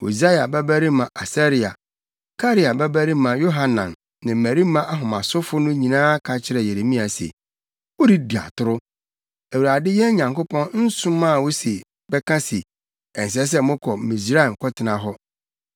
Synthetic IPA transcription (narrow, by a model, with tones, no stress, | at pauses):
o̰˨za˦ja˨bɛ˦bæ˦ɾi˦mã˨ʔa˨sa˦ɾi˨a̰˨ | kʰa˦ɾi˦a˨bɛ˦bæ˦ɾi˦mã˨jo˦ɦa˨nã˨nː | ɪ̃˨mæ˨ɾi˦mã˦ʔa˦ɦʊ̃˨mã˨sʊ˦fʊ˦nʊ̃˦ɲĩ˨nãː˦kʰa˨t͡ɕʰɪ˦ɾɛ˨je˨ɾe˨mĩ˦a˨sḛ˨ | wo˦ɾi˦di˨a̰˨tʰʊ˦ɾʊ˦ | æ˨wu˨a˨dɪ˦jɛ˦ɲã˨ŋkʊ˦pʰɔ̃˦nn̩˦sʊ̃˦mːã˦˨wo˦se˨ | bɛ˦kʰã˦si˨ | ɛ˨n˨s̬ɛ˦s̬ɛ˦mʊ̃˦kʰɔ˨mĩ˨s̬ɾa˦ɛ˨mkʰɔ˦tʰɪ˨nã˨ɦɔ˦